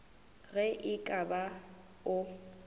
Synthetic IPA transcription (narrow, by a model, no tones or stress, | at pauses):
ɣɛʔɪkʼaba | ʊ